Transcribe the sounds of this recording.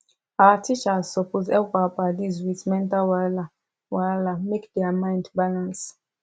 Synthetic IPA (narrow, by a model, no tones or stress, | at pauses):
atʰit͡ʃazsɔpozɛkapadizwitmɛ̃ntalwala | walamekdɛamãj̃ndbalãns